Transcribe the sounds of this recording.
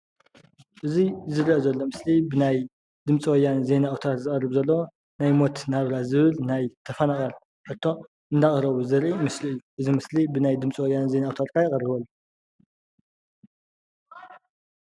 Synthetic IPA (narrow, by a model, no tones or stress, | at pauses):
ʔɨzizɨɾiʔzɐlːo̞mɨslibɨnaj | d̪ɨmt͡sʼiwɔjːanze̞nawt̪ʰaɾzɨχʼɐrːɨβzɐlːɐwo | najmo̞t̪naβɾazɨβɨlnajt̪ʰɐfɐnaχʼɐl | ʔɨt̪ʰːo̞ | ʔɨnd̪aχʼɐɾɐβuzɨɾʔimɨsliɨjːuʔɨzimɨslibɨnajd̪ɨmt͡sʼwɔjːanze̞nawt̪ʰat̪̚kʰajɪχʼɐrːɨβɐlːu